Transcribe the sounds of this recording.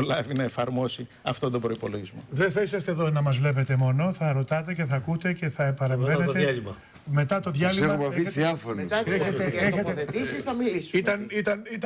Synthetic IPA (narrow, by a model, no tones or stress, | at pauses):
lɐvinɐe̞fɐɾmo̞si | ɐft̪od̪obɾo̞ipo̞lo̞ʝizmo̞ðenθɐisɐst̪eðo̞nɐmɐzvle̞pe̞t̪e̞mo̞no̞θɐɾo̞t̪ɐt̪e̞ce̞θɐkut̪e̞ce̞θɐepɐɾe̞ɱve̞neeɐlimɐ | me̞t̪ɐt̪o̞ðʝɐlimɐɐiiɐfoneet̪eeçet̪episisθɐmilisit̪ɐnit̪ɐnit̪